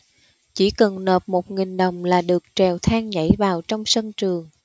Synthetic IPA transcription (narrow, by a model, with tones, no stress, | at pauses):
t͡ɕi˧˩kə˨˩nːəː˨˩p̚mo˨˩t̚ŋï˨˩ŋ̟ɗə˨˩wŋ͡mlaː˨˩ɗɨ˨˩ək̚t͡ɕɛ˨˩wt̪ʰaː˧ŋɲa̰˧˥jvaː˨˩wt͡ɕɔ˧wŋ͡msə˧nt͡ɕɨ˨˩əŋ